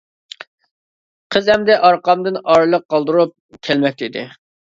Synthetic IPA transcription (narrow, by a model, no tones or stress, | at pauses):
qʰəzɛmd̪ɛʔɑɾqɑmd̪ɨnɑɾɨlˠəq̚ːɑlˠd̪ɨɾup̚kʲʰælmɛk̚ʲt̪id̪ɪ